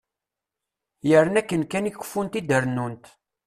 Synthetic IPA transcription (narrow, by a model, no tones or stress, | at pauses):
jəɾənækːənkːænikːə̥fːunt̪id̪əɾnːunt̪